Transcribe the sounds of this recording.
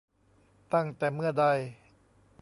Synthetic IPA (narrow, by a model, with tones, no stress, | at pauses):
t̪a˥˩ŋt̪ɛː˨˩mɯ˥˩ɐda˧˩j